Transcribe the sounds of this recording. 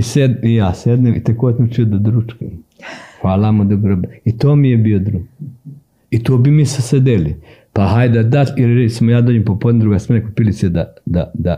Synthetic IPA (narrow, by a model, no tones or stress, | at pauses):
ised̪ijaːsed̪neːmit̪ekoːsamt͡ʃiod̪ad̪ɾut͡ʃkoxaːlamod̪oɡɾobeit̪oːmijebiod̪ɾuɡ | it̪oːbimisesed̪elipaɦajd̪ad̪at̪iɾɾesimojaːd̪oːd͡ʒempopod̪nʲed̪ɾuɡasmenekupilised̪ad̪ad̪a